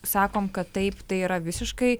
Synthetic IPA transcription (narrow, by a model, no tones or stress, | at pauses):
sɑːkoːmkɐt̪tɐɪpt̪ɐɪiːɾɐʋʲɪsʲɪʃkɐɪ